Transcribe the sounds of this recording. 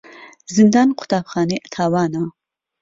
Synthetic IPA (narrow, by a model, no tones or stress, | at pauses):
zɨnd̪ɑːnqʰʊ̥t̪aːpχɑːniʔat̪ʰaːwɑːna